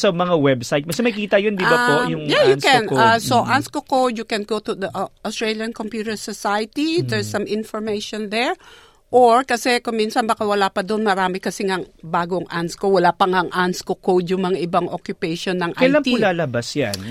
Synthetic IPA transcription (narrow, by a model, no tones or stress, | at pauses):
sɐmɐŋawɛbsajt̪̚mɐsɐmɐjkiːt̪ɐjond̪ibɐpojʊŋjajʊkɛnasoʔanskokowd̪jʊkɛnɡot̪ud̪ɐʔost̪ɹɛljɐnkompjut̪ɛɹsosajɐt̪id̪ɛɹsɐmɪnfɔɹmejʃond̪ɛɹ | ʔoɹkɐsɛkʊŋminsɐnbɐkawɐlapɐd̪oʔnmɐɾaːmɪkɐsɛŋaŋbaːɡoŋʔanskowɐlapɐŋaɐŋʔanskokowd̪jʊŋmɐŋaʔɪbaŋʔokjʊpejʃonːɐŋʔakɐjlaŋiulaːlɐbasja̰n